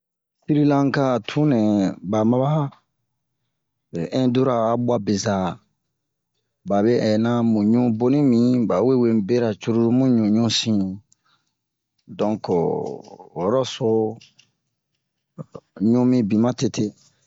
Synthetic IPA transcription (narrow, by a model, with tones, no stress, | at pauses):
si˦ɾi˦lã˦ŋ˦ka˦˨tʰũ˦nɛ̃˨ba˨ma˦ba˦˨ | ɛ̃˦do˦ɾaː˨bwa˦be˨za˨ | ba˨be˦ʔɛ˨nã˦mũ˨ɲũ˦bo˦nĩ˦mĩ˨ba˨we˦we˦mbe˦ɾa˨t͡ʃu˦ɾu˦ɾu˦mũ˦ɲũ˨ɲũ˦sĩ˨ | dɔ̃˨ŋko˨ | ɔ˨ɾɔ˦so˧˦ | ɲũ˦mĩ˦bĩ˨mã˦te˨tʰe˦